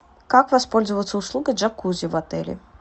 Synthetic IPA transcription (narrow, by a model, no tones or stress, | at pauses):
kakvaspɔlʲzɐvət̪sːɐuslˠuɡɨʐakuzʲivat̪ɛ̰lʲḭ